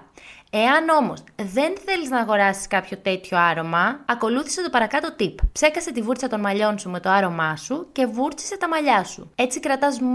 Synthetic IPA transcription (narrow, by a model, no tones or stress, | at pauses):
e̞ɐno̞mo̞sðe̞nθe̞liznɐːɣo̞ɾɐsi̥skɐpço̞t̪e̞t̪ço̞ɐɾo̞mɐɐko̞luθi̥se̞t̪o̞pɐɾɐkɐt̪ot̪ippse̞kɐse̞t̪ivuɾt͡sɐt̪o̞nmɐʎo̞nsume̞t̪oɐɾo̞mɐsuce̞vuɾt͡si̥se̞t̪ɐmɐʎɐsṵe̞t͡sikɾɐt̪ɐz